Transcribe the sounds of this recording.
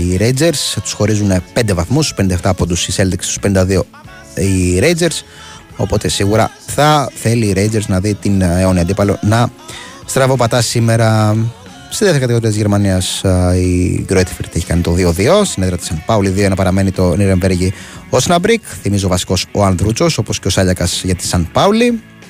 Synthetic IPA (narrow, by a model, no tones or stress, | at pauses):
iɾe̞jd͡ze̞ɾst̪u̥sxo̞ɾizunpe̞nd̪e̞vɐθmust̪spnind̪ɐeft̪ɐːpod̪usiselðikse̥st̪u̥penind̪ɐðio̞ | iɾe̞jd͡zeɾs | o̞̰po̞t̪e̞siɣuɾɐ̰ | θɐθe̞liːɾe̞jd͡ze̞ɾznɐðit̪ineo̞niɐnd̪ipɐlo̞̰nɐ | st̪ɾɐvopɐt̪ɐsime̞ɾɐ | st̪iðeθeɾɐkɐt̪io̞ɾiɐt̪izʝe̞ɾmɐniɐsiɡɾoet̪fɾt̪eçi̥kɐnit̪o̞ðio̞ðio̞st̪ineðɾɐt̪i̥sɐnpɐuliðioenɐpɐɾɐme̞nit̪o̞niɾeɱveɾʝiosnɐbɾikθimizo̞vɐsi̥ko̞so̞ɐnðɾut͡so̞so̞po̞sceo̞sɐʎɐkɐsʝɐt̪i̥sɐnpɐuli